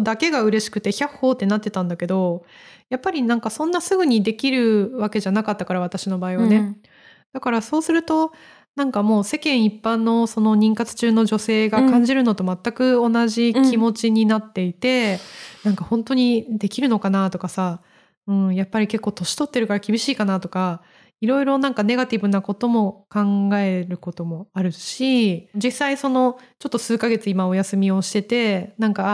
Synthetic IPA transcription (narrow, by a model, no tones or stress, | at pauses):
d̪ake̞ɡaɯ̟ɾe̞ɕi̥kɯ̟t̪e̞çaho̞ːt̪ːe̞nat̪ːe̞t̪ãnd̪ake̞d̪o̞japːaɾʲinãŋkasõ̞nːasɨɡɯ̟ɲ̟id̪e̞kʲiɾɯ̟βake̞ʑanakat̪ːakaɾaβat̪aɕino̞baːiβane̞ | d̪̥akaɾaso̞ːsɨɾɯ̟t̪o̞ | nãŋkamo̞ːse̞kẽ̞ɰ̃ipːãnːo̞so̞noɲ̟ĩŋkat͡sɨ̥t͡ɕɨːno̞ʑo̞se̞ːɡakãɲ̟d͡ʑiɾɯ̟no̞t̪o̞mat̪ːakɯ̟o̞naʑikʲimo̞t͡ɕiɲ̟inat̪ːe̞it̪e̞nãŋkahõ̞nt̪o̞ɲ̟id̪e̞kʲiɾɯ̟no̞kanat̪o̞kasa | ɯ̟̃ɴjapːaɾʲike̞kːo̞ːt̪o̞ɕi̥t̪o̞t̪ːe̞ɾɯ̟kaɾakʲibʲiɕiːkanat̪o̞ka | iɾo̞iɾo̞nãŋkane̞ɡat̪ʲibɯ̟nako̞t̪o̞mo̞kãŋɡae̞ɾɯ̟ko̞t̪o̞mo̞aɾɯ̟ɕid͡ʑisaiso̞no̞t͡ɕo̞t̪ːo̞sɨːkaɡe̞t͡sɨimao̞jasɨmʲio̞ɕi̥t̪e̞t̪e̞nãŋka